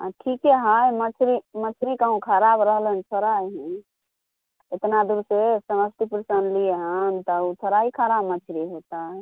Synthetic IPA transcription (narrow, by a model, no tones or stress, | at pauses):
aʈʰikɛɦajmət͡ʃʰɾimət͡ʃʰɾikaũkʰəɾabɾəɦlent͡ʃʰəɾajɦɛ̃ | et̪nad̪uɾsesəməst̪ipɾəsənlieɦənt̪ɔut͡ʃʰəɾaikʰəɾabmət͡ʃʰɾiɦot̪aɦɛ